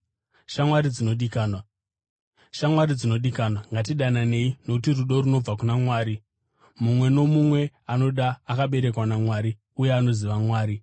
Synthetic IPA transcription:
ʃamwaɾid͡zino̞ɗikaːnwa | ʃamwaɾid͡zino̞ɗikanwaŋɡat̬iɗanane̞ino̞kutiruɗo̞ɾuno̞b͡vakunamwaːɾi | mumwe̞no̞mumwe̞ | ano̞ɗaːkaɓe̞ɾe̞kwanamwaːɾi | ujeano̞ziʋamwaːɾi

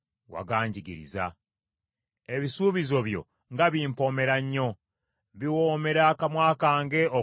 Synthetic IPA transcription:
wa̰ɡaːɲɟiɡiɾḭza̰ | e̞βisuːβizo̞βjo̞̰ | ŋɡaβiːmpo̞me̞ɾaɲːo̞ | βiwoːme̞ɾakamwaːkaːŋɡe̞o

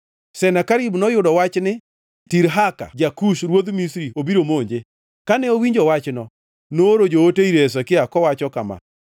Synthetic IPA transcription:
sɛnakaɾibnɔjʊdɔwat͡ʃnɪ | tiɾɦaka̰d͡ʒakuʃɾwod̪misɾiobiɾomoɲd͡ʒe | kanɛowiɲd͡ʒɔwat͡ʃnɔ | noːɾod͡ʒooteiɾes̬ɔkɪakɔwat͡ʃɔkama̰

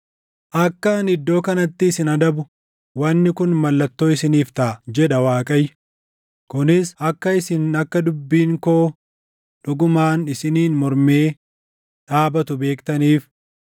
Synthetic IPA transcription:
ʔɐkːɐnɪd̪ːo̞ːkɐnɐt̪ːɪːsɪnɐd̪ɐbʊ | wɐnːɪkʊnmɐlːɐt̪ːoːɪsɪniːft̪ɐd͡ʒɛᶑɐwaːkʼɐj | kʊnɪsɐkːɐɪsɪnɐkːɐd̪ʊbːiːŋko̞ː | ᶑʊɡʊmaːnɪsɪniːnmɔɾmeː | ᶑaːbɐt̪ʊbe̞ːkt̪ɐniːf

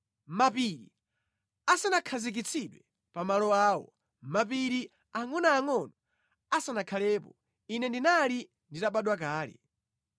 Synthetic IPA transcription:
mapiɾi | asanakʰazik̬it͡sʰiɗwɛ | pamalɔaːwɔ̰ | mapiɾi | amunaːŋɔnɔ | asanakʰalɛːpɔ | inɛndinali | nditaɓaɗwakaːlɛ̰

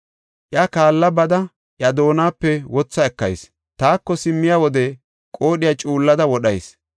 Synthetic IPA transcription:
ʔjakaːlːɐbɐd̪ɐ | ʔjɐd̪o̞ːnaːpːɛwɔt͡sːɐɛkːɐ̰js | t̪aːkːɔsɪmːɪjawɔd̪ɛ | kʼo̞ːɗɪjat͡ʃʼuːlːɐd̪ɐwɔɗɐjs

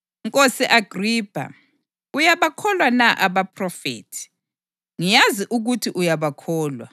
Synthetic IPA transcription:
ŋkʼosɛʔaɡ̥ʱriːpʰa̰ | ujaβakʰɔlwanaʔaβapʰrɔfḛːtʰi̥ | ŋijaziʔuɣutʰiʔujaβakʰɔːlwa̰

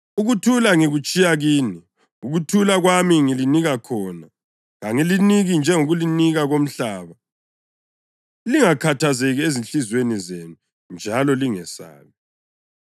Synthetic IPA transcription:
uɣutʰulaŋiɣut͡ʃʼijaɣiːni | uɣutʰulaɣwamiŋiliniɣakʰɔna | ɣaŋiliniɣind͡ʒʱɛŋoɣuliniɣaɣom̩ɬaːβa | liŋakʰatʰazeɣiezinɬizwenizenu | nd͡ʒʱalɔliŋɛsa̰ːβi

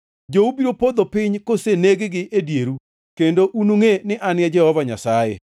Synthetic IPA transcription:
d͡ʒoubiɾopod̪opɪɲkoseneɡeɡɪʔedjeɾu | kendoʔunuŋenɪʔanɪɛd͡ʒɛhɔvaɲa̰sajḛ

